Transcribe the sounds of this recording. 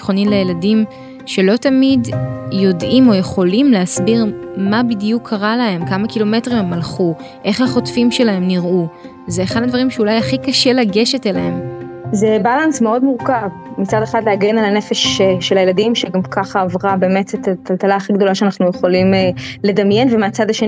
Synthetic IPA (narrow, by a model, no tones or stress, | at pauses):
χo̞nimlejeladim | ʃe̞lo̞tamidjo̞dʔimo̞je̞χo̞limleasbiʁmabidijukʰːaʁalahe̞mkamakilo̞me̞tʁimemalχu | ʔe̞χhaχo̞tfimʃe̞laɦe̞mniʁʔu | zeːχadadvaɐʁimʃeulajaχikaʃe̞laɡe̞ʃe̞telaɦe̞mzebalansmeo̞dmuʁkav | mit͡sadeχad̪leaɡenalanefeʃʃelajelad̪imʃeɡamkʰaχaːvʁabe̞ːmetetat̪altalaaχiɡd̪o̞laʃeanaχnujeχo̞limele̞d̪amjenvemeat͡sadaʃeni